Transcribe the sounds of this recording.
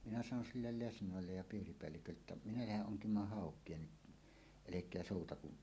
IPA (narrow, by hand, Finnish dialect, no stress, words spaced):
minæ sɑnon silːel lesnoˑelːej jɑ piːripeælːikølːeːtːæʔ ʔminæ læheʔ ʔoŋkimˑɑːh hɑˑokˑie ni elekˑeæ soˑutɑku